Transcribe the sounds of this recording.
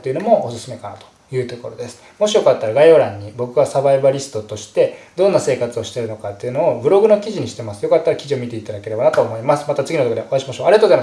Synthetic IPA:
t̪ːe̞iɯ̟no̞mo̞ʔːsɨ̥sɨme̞kana̰t̪o̥ | jɯ̟ːt̪o̞ko̞ɾo̞̰d̪esɨ̥ | mo̞ɕijo̞kat̪ːaɾaɡaioɾãɲ̟ːibo̞kɯ̟ɡasabaibaɾʲisɨ̥t̪o̞t̪o̞ɕi̥t̪e̞d̪õ̞nːase̞ːkat͡sɨo̞ɕi̥t̪e̞ɾɯ̟no̞kat̪ːe̞iɯ̟no̞ːbɯ̟ɾo̞ɡɯ̟no̞kʲiʑiɲ̟iɕi̥t̪e̞masɨ̥jo̞kat̪ːaɾakʲiʑio̞mʲit̪e̞it̪ad̪ake̞ɾe̞banat̪o̞ːmo̞imasɨ̥mat̪at͡sɨɡʲinot̪okod̪eʔo̞aiɕimaɕo̞ːaɾiat̪ozaema

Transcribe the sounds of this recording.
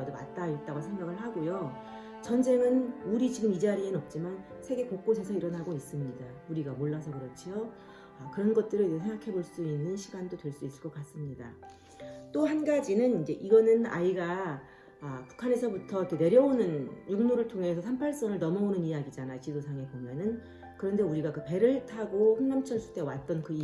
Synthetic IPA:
adoma̰t̚t͈ait̚t͈aɡosʰe̞ŋɡaɡɯɭhaɡojo | t͡ɕʌnd͡ʑe̞ŋɯnuɾit͡ɕiɡɯmid͡ʑaɾienʌp̚t͡ɕ͈imansʰe̞ɡe̞kok̚k͈osʰesʰʌiɾʌnɦaɡois͈ɯmɲidauɾiɡamoɭːasʰʌkɯɾʌt͡ɕʰio | ʌkɯɾʌnɡʌt̚t͈ɯɾɯd͡ʑesʰeŋɡakʰe̞boɭs͈uinːɯnɕʰiɡandotwe̞ɭs͈uis͈ɯɭk͈ʌk͈as͈ɯmɲida | t͈ohanɡad͡ʑinɯnind͡ʑe̞ʔiɡʌnɯna̰iɡaː | pu̥kʰane̞sʰʌbutʰʌkɯne̞ɾjʌonɯnjuŋmuɾɯɭtʰoŋe̞sʰʌsʰampʰaɭs͈ʌŋɯɭnʌmʌonɯnijaɡid͡ʑanajokidosʰaŋe̞pomjʌnɯn | kɯɾʌnde̞uɾiɡakɯpe̞ɾɯɭtʰaɡoɸuŋnamt͡ɕʰʌnsʰu̥t͈e̞wat̚t͈ʌnkɯ

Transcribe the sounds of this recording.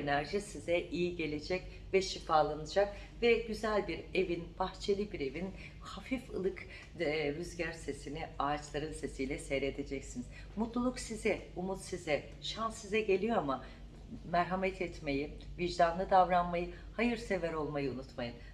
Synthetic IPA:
enæɾʒisizɛʔijiɟe̞lʲe̞d͡ʒɛc | vɛʃifaːlˠanɯd͡ʒak̚ | vɛɟyzælʲbiɾe̞vinb̥axt͡ʃʰe̞lʲibiɾe̞vin | hafifɯ̰lˠɯk | ɾyzɟæɾse̞siniaːt͡ʃlˠaɾɯnse̞sijlʲɛsɛjɾe̞d̪e̞d͡ʒɛcsiniz̥ | mut̪lˠulˠuksizɛumut̪sizɛ | ʃansizɛɟe̞lʲijo̞ama | mæɾɦamɛt̪ʰɛt̪me̞jiviʒd̪and̪ad̪avɾanmajɯ | hajɯɾse̞vɛɾo̞lˠmajɯunut̪majɯn

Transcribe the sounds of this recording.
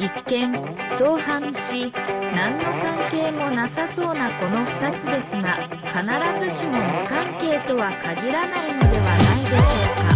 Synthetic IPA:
ikːẽ̞ŋ | so̞ːhãɰ̃ɕinãnːo̞kãŋke̞ːmo̞nasaso̞ːnako̞no̞ɸɯ̟̥t̪at͡sɨd̪e̞sɨŋa | kanaɾazɨɕino̞nekãŋke̞ːt̪o̞βakaɡʲiɾanaino̞d̪e̞βanaid̪e̞ɕo̞ːka

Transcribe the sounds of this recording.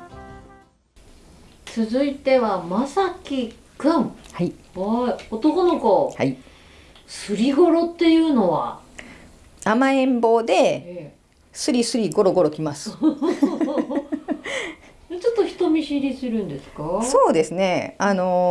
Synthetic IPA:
t͡sɨzɨit̪e̞βamasakʲi | kɯ̟̃ɴhaiaiot̪o̞ko̞no̞ko̞ha̰i | sɨɾʲiɡo̞ɾo̞t̪ːe̞jɯ̟ːno̞βa̰ | amaẽ̞mbo̞ːd̪e̞ | sɨɾʲisɨɾʲiɡo̞ɾo̞ɡo̞ɾo̞kʲimasɨ̥ | t͡ɕot̪ːoçi̥t̪o̞mʲiɕiɾʲisɨɾɯ̟̃nd̪e̞sɨ̥kaso̞ːd̪e̞sɨne̞ano̞

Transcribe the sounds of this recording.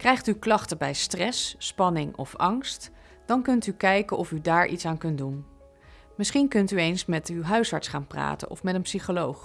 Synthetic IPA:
krɛjχtyklɑχtəbɛjstrɛsːpɑnɪŋɔ̰fɑŋst | d̥ɑnkɵntykɛjkəʔɔfydaːɹʔḭtsaːnkɵnt̚dun | mɪsχinkɵntyejnsmɛtywɦœɥsɦɑ̰ɹtsχaːnpra̰ːtə̰ʔɔ̰fmɛtənpsiχolowχ

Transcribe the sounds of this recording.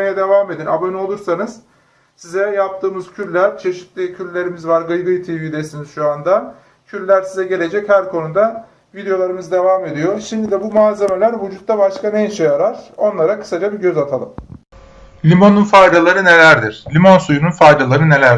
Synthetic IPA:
ejad̪e̞vaːme̞d̪ina̰bøno̞lˠuɾsanɯz̥ | sizɛjap̚t̪ʰɯːmɯzcʰyɾʲlʲæɾt͡ʃʰe̞ʃi̥t̪lʲicʰylʲlːʲe̞ɾimizvaɾɡɯjɡɯjt̪ʰivid̪esiniz̥ʃuand̪a | cʰyɾʲlʲæɾsizɛɟe̞lʲe̞d͡ʒɛchæɾkʰo̞nud̪a | vid̪ejo̞lˠaɾɯmɯzd̪e̞vaːme̞d̪ijo̞ʃimd̪id̪ɛbumaːze̞me̞lʲæɾvud͡ʒut̪̚ːabaʃkanɛiʃejaɾaɾ̥o̞nlˠaɾakʰɯ̥sad͡ʒabiɟø̞zat̪ʰalˠɯm | lʲimo̞nunfajd̪alˠaɾɯne̞lʲæɾd̪iɾ̥lʲimonsujununfajd̪alˠaɾɯne̞lʲæɾ

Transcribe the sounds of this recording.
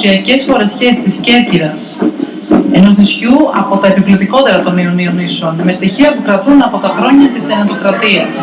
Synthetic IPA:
iɐce̞sfo̞ɾe̞scest̪isce̞ɾciɾɐs | e̞no̞znisçuɐpo̞t̪ɐe̞pivlot̪iko̞t̪e̞ɾɐt̪o̞nio̞nio̞niseo̞nme̞st̪içiɐpukɾɐt̪unɐpo̞t̪ɐxɾo̞ɲɐt̪isenɐt̪o̞kɾɐt̪iɐs

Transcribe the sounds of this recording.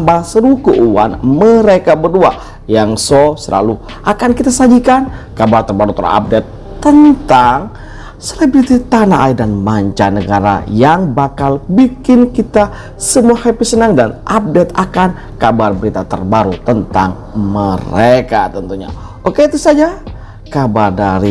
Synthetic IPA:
mbaŋsəɾukuʔuwa̰nməɾekabərdua | jaŋsosəla̰lu | ʔakankit̪asad͡ʒikankabart̪ərbaɾut̪əɾa̰a̰p̚dɛt̪ːənt̪aŋ | selebɾit̪it̪anaʔaidanmaɲt͡ʃanəɡaɾa̰jaŋbakalbikɪnkit̪a | səmuahepisənaŋdanʔap̚dɛt̪akan | kabarbəɾit̪at̪ə̰rbaɾut̪ənt̪a̰ŋ | məɾekat̪ənt̪uɲa̰ | okeit̪usad͡ʒa | kabardaɾi

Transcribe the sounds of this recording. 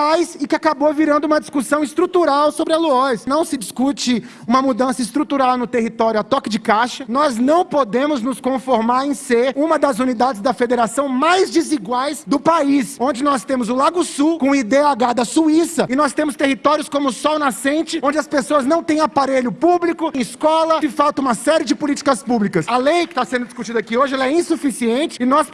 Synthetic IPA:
ajsɪkɪakaboviɾɐ̃nd̪ʊũmɐd͡ʒiskusɐ̃w̃ɪst̪ɾut̪uɾawsobɾɪaluɔsnɐ̃w̃sɪd͡ʒiskut͡ʃɪ | ũmɐmud̪ɐ̃sɐist̪ɾut̪uɾawnʊt̪eɦit̪ɔɾjʊat̪ɔkɪd͡ʒɪkaʃɐnɔznɐ̃w̃pod̪ẽmʊznʊskõfoɾmaɾẽj̃seɾũmɐd̪ɐzunid̪ad͡ʒɪzd̪ɐfed̪eɾasɐ̃w̃majzd͡ʒiziɡwajsd̪ʊpaisõnd͡ʒɪnɔst̪ẽmʊzʊlaɡʊsukõid̪eaɡad̪ɐsuisɐɪnɔst̪ẽmʊst̪eɦit̪ɔɾjʊskõmʊsɔwnasẽnt͡ʃɪõd͡ʒɪɐspesoɐznɐ̃w̃t̪ẽj̃apaɾeʎʊpublikʊẽɪskɔlɐkɪfawt̪ɐ̃ũmɐsɛɾiɪd͡ʒɪpʊlit͡ʃɪ̥kɐspublikɐsɐlejkɪ̥t̪asẽd̪ʊd͡ʒɪ̥skut͡ʃid̪ɐakioʒɪɛlɐɛĩsufisiẽnt͡ʃɪɪnɔs

